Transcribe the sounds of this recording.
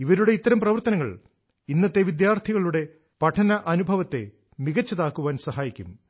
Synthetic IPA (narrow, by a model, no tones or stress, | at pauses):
iʋɐɾuɽe̞it̪ːɐɾɐmprɐʋɐrt̪ɐnɐŋːɐ̰ɭ | inːɐt̪ːe̞ʋid̪jaːrt̪ʰiɣɐɭuɽe̞ | pɐʈʰɐnɐʔɐnubʱɐʋɐt̪ːe̞̰ | miɣɐt͡ɕːɐðaːkːuʋaːnsɐɦaːjikʲːṵm